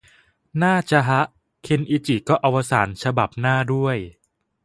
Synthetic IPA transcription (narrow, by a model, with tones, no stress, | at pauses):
naː˥˩t͡ɕa˧ɦa˦˥ʔ | kʰe˧nʔiː˧t͡ɕi˨˩kɔː˥˩ʔa˧wa˦˥sa̰ː˩˦nt͡ɕʰa˧ba˨˩p̚naː˥˩du˥˩əj